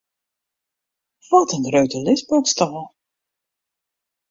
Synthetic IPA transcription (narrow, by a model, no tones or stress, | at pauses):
ʋɔtənrøɥtəlɪsbɔkstɔlˠ